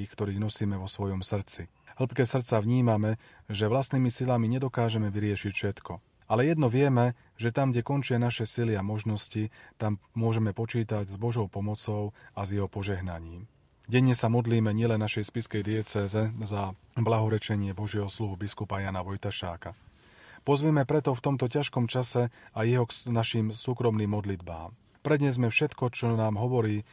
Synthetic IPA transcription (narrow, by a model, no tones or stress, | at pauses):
ixkt̪ɔɾiːɣnɔsiːmɛʋɔsʋɔjɔmsr̩t͡si | ɦl̩pkɛːsr̩t̪t͡saʋɲiːmamɛ | ʒɛʋlast̪niːmisilamiɲɛd̪ɔkaːʒɛmɛʋiɾɪɛʃicfʃɛt̪kɔ | alɛjɛd̪nɔʋɪɛmɛ | ʒɛt̪amɡɟɛkɔnt͡ʃɪanaʃɛsiliamɔʒnɔscit̪ammʊɔʒɛmɛpɔt͡ʃiːt̪aɟzbɔʒɔʊpɔmɔt͡sɔʊazjɛɦɔpɔʒɛɦnaɲiːm | ɟɛɲːɛsamɔd̪liːmɛɲɪɛlɛnːaʃɛjspiskɛjd̪ɪɛt͡sɛːzɛza | blaɦɔɾɛt͡ʃɛɲɪɛbɔʒɪɛɦɔsluɦubiskupajaːnaʋɔjt̪aʃa̰ːka | pɔzʋɛmɛpɾɛt̪ɔft̪ɔmt̪ɔcaʃkɔmt͡ʃasɛajɛɦɔknaʃiːmsuːkɾɔmniːmːɔd̪lid̪ba̰ːm | pɾɛd̪ɲɛzmɛfʃɛt̪kɔt͡ʃɔnaːmɦɔʋɔɾiː